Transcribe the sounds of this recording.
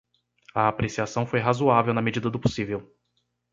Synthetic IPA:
ɐːpɾesiasɐ̃w̃fojɦazuavewnɐmed͡ʒid̪ɐd̪ʊposivew

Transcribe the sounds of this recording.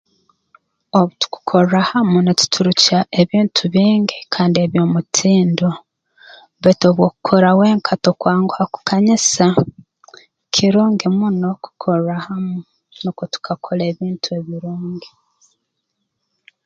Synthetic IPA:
oβutu̥ku̥kʰoɾahamunetu̥tʰuɾucaʔe̞βiːntʰuβiːŋɡikʰaːndie̞βjoːmutʰiːndo | βeto̞ːβwo̞ku̥kʰoɾawe̞ːŋkʰatokwaːŋɡuhaku̥kʰaɲisa | kʰiɾoːŋɡimuno̞ku̥kʰoɾahamu | nokotu̥kʰakʰole̞ːβiːntʰueβiɾoːŋɡi

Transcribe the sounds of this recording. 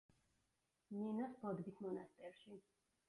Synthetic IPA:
ninɔsbɔd̪ɡismɔnast̪ʼɛɾʃi

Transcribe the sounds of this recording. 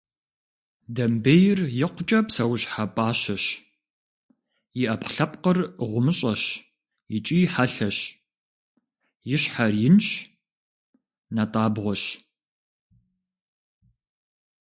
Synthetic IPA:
dɐmbejɪrjɪqʷʊt͡ʃʼɐpsɐwʊɕħapʼaːɕɐɕ | jɪʔɐpqɬɐpqərʁʷʊmɨɕʼɐɕ | jɪt͡ʃʼiːħaɬɐɕ | jɪɕħarjɪnʃ | nɐtʼaːbʁʷɔɕ

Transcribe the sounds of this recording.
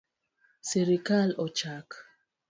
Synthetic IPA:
seɾikalot͡ʃak

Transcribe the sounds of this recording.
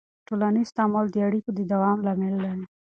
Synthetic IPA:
ʈolanist̪ɑmɔld̪əaɽikod̪əd̪awɑmlɑmelːaɾi

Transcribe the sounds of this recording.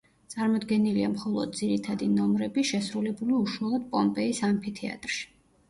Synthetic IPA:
t̪sʼaɾmɔd̪ɡɛniliamχɔlˠɔ̰d̪̚d̪ziɾit̪ʰad̪inɔmɾɛbiʃɛsɾulɛbuliuʃwalˠɔd̪̥̚pʼɔmpʼɛisampʰit̪ʰia̰t̪ʼɾʃi̥

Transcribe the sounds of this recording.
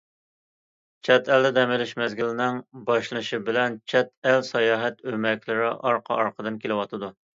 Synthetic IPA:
t͡ʃʰɛt̪ɛld̪ɛd̪ɛmɪlɪʃmɛzɡʲilɪnɪŋbɑʃlˠɨʃibɪlɛnt͡ʃʰɛt̪̚ɛlsɑjɑːɦɛt̪ømɛkʲlɪɾɪʔɑɾqʰɑ̰ʔɑɾqʰəd̪ɨnkʲʰelɪwɑt̪ʰɨd̪u

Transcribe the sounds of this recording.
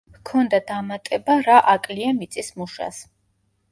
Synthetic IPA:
kʰɔnd̪ad̪amat̪ʼɛbaɾaʔakʼliamit̪sʼismuʃa̰s

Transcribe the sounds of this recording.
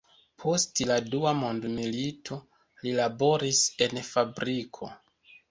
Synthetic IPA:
pʰo̞stladuamondmilitʰo̞ | lilabo̞ɾise̞nfabɾikʰo̞

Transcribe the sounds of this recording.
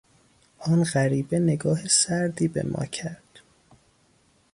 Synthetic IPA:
ʔɒːnɢæɾiːbe̞ne̞ɡɒːɦesæɾd̪iːbe̞̰mʔɒ̰ːcʰæɾd̪̥

